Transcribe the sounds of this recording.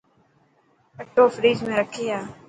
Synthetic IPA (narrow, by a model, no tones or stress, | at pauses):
əʈːoːfɾiːd͡ʒmẽɾəkʰeːaː